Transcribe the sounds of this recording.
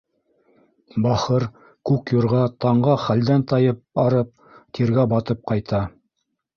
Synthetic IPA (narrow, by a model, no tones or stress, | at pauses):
bɑχɤɾ | kʉkjŏɾʁɑt̪ɑɴɢɑχæld̪ænt̪ɑjɤp̚ɑɾɤp̚ | t̪iɾɡæbɑt̪ɤp̚qɑjt̪ɑ